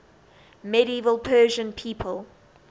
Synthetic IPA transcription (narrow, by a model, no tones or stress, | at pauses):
mɛɾiiːvəlˠpʰɜːʒə̃npʰiːpʰəlˠ